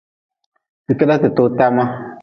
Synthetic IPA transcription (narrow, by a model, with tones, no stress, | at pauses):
ti˨kə˦da˦tɨ˨tʊ˦ta˦ma˦